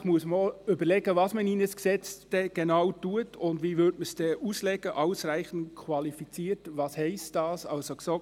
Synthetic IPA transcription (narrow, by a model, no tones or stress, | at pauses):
χmuəsmɔʏbəɾlɛɡəvɑsməniːnəsksɛt͡sd̥ɛɡ̥enɑwtuətʊndʋiːʋʏɾdməsd̥ɛʔuslɛɡ̥əʔɑʊsɾæɪχən̩tkʰwɑlifit͡siːɾtʋɑːshɛɪstd̥ɑːsɑlsokso